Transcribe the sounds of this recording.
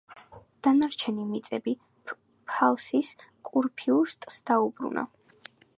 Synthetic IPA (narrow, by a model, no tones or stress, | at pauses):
d̪̥anaɾt͡ʃʰɛnimit̪sʼɛbi | pʰalˠsiskʼuɾpʰiuɾst̪ʼsd̪̥aubɾṵnʔa̰